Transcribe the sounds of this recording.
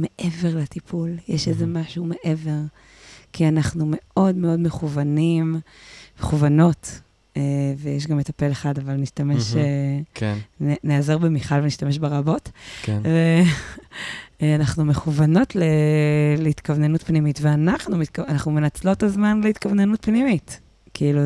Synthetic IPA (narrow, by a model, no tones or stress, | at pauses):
me̞ʔeve̞ʁlat̪ipʰuljeʃezemaʃume̞ʔe̞ve̞ʁ | kianaχnume̞o̞dmeo̞dme̞χuvanimmeχuvano̞t | evejeʃ̬ɡametape̞leχadavalniʃtameʃekneazeʁbemiχalveniʃtame̞ʃbeʁabo̞tkʰve | anaχnume̞χuvano̞tleleit̪kavnenutpnimitveanaχnumit̚kanaχnumenat͡slo̞tazmanleit̪kavnenutpnimit | kiilu